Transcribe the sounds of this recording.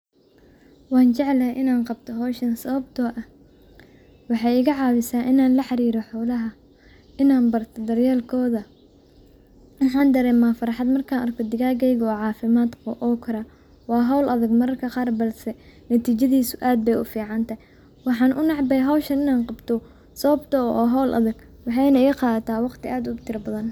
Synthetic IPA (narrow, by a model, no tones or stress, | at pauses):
wɑːnt͡ʃɛʕlɐɦʔɪnaːnqɑb̚t̪ʰɔɦɔːʃɐnsɐβɐbt̪ʰɔʔɐ | wɑħɑjɪɣɐʕɑːwɪsaːnʔɪnaːnlɐħɑɾiːɾɔħɔlɐɦɐ | ɪnaːnbɐrt̪ʰɔd̪ɐrjɛːlkʰɔːðɐ | wʊħɑːnd̪ɐɾɛːmːaːfɐɾɑħɑd̪mɐrkʰaːnɐrkʰɔd̪ɪɣaːɡɛjɣɔːʕɑːfɪmaːd̪kʰɔʔɔːkʰɐɾɐ | wɑːɦɐwlʔɐðɐɡmɐɾɐrkʰɐqɑːrbɐlsɛnɐt̪ʰiːt͡ʃɐðiːsʊʔaːd̪̚bɛjʊfiːʕɑnt̪ʰɐɦɪj | wɑħɑːnʔʊnɑʕbɛjɦɐwʃɐnɪnaːnqɑbt̪ʰɔ | sɐβbt̪ʰɐɔ̰wːɦɔwlʔɐ̰ðɐɡ | wɑħɑjnɐiːqɑːðɐt̪ʰaːwɑqt̪ʰɪʔaːd̪ʊt̪ʰɪɾɐbɐðɐn